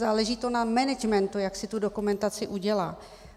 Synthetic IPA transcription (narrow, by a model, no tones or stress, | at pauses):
zaːlɛʒiːt̪onamɛnɛd͡ʒmɛnt̪ujaksɪt̪udokumɛnt̪at͡sɪʔuɟɛlaː